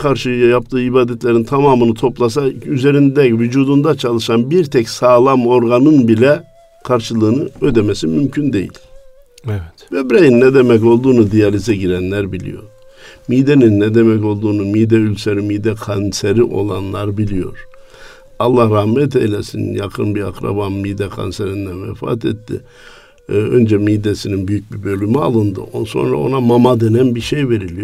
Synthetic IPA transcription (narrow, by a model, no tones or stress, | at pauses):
kʰaɾʃɯjajap̚t̪ʰɯːibaːd̪ɛt̪ʰlʲeɾint̪ʰamaːmɯnɯt̪ʰo̞plˠas̬ayzeɾind̪ɛvyd͡ʒuːd̪und̪at͡ʃʰalˠɯʃanbiɾt̪ʰɛcsaːlˠamo̞ɾɡanɯnbilʲɛ | kʰaɾʃɯlˠɯːnɯød̪ɛmesimymcʰynd̪e̞jḭlʲ | ɛvɛbiɾejinːɛd̪emɛco̞lˠd̪uːnud̪ijalʲizɛɟiɾænlʲæɾbilʲḭjo̞̰ɾ̥miːd̪eninːɛd̪emɛco̞lˠd̪uːnumid̪ɛylʲseɾimid̪ɛkʰanseɾiʔo̞̰lˠanlˠaɾbilʲijo̞̰ɾ̥ | ɑlˠːahɾahmɛt̪ʰḛjlʲɛsḭnjakʰɯnbia̰kɾa̰banmid̪ɛkʰa̰nseɾind̪ænvɛ̰fa̰t̪ʰet̪ːḭ | ø̰nd͡ʒɛmiːd̪esininbyjyc̚bibø̞lʲymia̰lˠɯnd̪ɯ̰ʔonso̞̰nɾa̰o̞̰namamad̪enænbiʃejve̞ɾilʲijo